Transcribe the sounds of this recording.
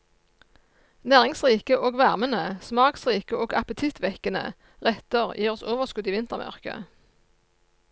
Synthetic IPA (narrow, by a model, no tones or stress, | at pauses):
næːʁɪŋsʁiːkəʔoːɡʋæʁmənəsmɑːksʁiːkəoːɡɑpət̪ʰɪt̪ʋɛkənə̰ | ʁɛt̪əʁjʔiːʁɔsoːʋəʁskʉd̪iːʋɪnt̪əʁmʔœ̰ʁkə̰